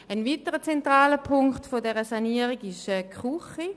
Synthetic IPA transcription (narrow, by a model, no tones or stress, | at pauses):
ənviːtəʁət͡sɛntʁaːləpʰʊŋktfodɛʁəsaniːəʁiɡɪʃɛkʁuχi